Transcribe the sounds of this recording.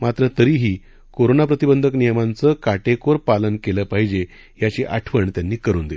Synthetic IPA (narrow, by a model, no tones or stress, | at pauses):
mat̪ɾət̪əɾiːɦiː | koɾonapɾət̪ibənd̪ʱəknijəmant͡səkaʈekoɾpalənkeləːpaɦid͡ʑe | jat͡ɕiːʔa̰ʈʰʋəɳt̪janːiːkəɾṵːnd̪e